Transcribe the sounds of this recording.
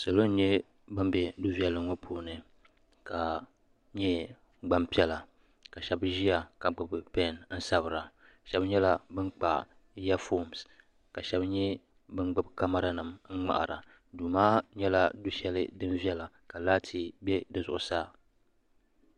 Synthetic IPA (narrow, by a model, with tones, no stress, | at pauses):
so˨lo˦n̩˦ɲɛ˦ | bɨ˦m˦bɛ˨du˦vi˨ɛ˦lɨ˨ŋɔ˦pʰoː˦nɨ˨ | ka˨ | ɲɛ˦ | ɡ͡ba˦mpi˦ɛ˦la˨ | ka˨ʃɛ˨bʒi˦a˨ka˨ɡ͡bɨ˨bɨ˨pɛ˦˨nn̩˦sa˦bɨ˨ɾa˨ | ʃɛ˦bɲɛ˦la˨bɨ˦ŋ͡mk͡pa˨ | ja˦fo˦˨ms | ka˨ʃɛ˦bɲɛ˦ | bɨ˦ɡ͡bɨ˦bka˦ma˦ɾa˦nɨ˨mŋ̩˦ŋ͡ma̰˨ʔa̰˨ɾa̰˨ | duː˨maː˦ɲɛ˦la˦du˦ʃɛ˦lɨ˦dɨ˦mvi˦ɛ˦la˨ | ka˨laː˦tʰi˦bɛ˦dɨ˨zʊ˨ʔʊ˨saː˦